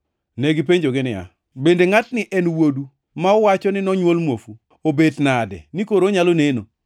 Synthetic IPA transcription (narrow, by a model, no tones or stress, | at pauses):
neɡipeɲd͡ʒoɡɪnɪa̰ | bendeŋatnɪʔɛnwodu | maɔwat͡ʃɔnɪnɔɲwolmwofu | obednadɛ̰nikoɾoɲaloneno